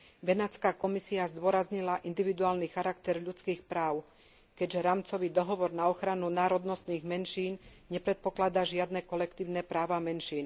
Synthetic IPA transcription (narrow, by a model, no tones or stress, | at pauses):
ʋɛnat͡skaːkɔmisiazd̪ʊɔɾazɲilaʔind̪iʋid̪uaːlnixaɾakt̪ɛɾʎut͡skiːxpɾaːʊ | kɛɟʒɛɾaːmt͡sɔʋiːd̪ɔɦɔʋɔɾnaɔxɾanunaːɾɔd̪nɔst̪niːɣmɛnʃiːnɲɛpɾɛt̪̚pɔklad̪aʒɪad̪nɛkɔlɛkt̪iːʊnɛpɾaːʋamɛnʃiːn